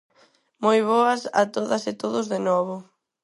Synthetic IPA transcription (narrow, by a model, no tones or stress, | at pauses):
mojβ̞ɔɐsa̰t̪oðɐset̪oðʊzðenɔβʊ